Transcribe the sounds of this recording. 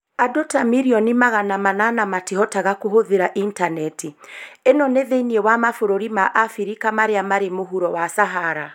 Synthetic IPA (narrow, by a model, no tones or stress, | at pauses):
adotamiɾiɔnimaɣanamananamatiɦɔtaɣakoɦoðeɾaʔintanɛtienɔneðeiniewamafoɾoɾimaʔafiɾikamaɾeamaɾemoɦuɾɔwasaɦaɾa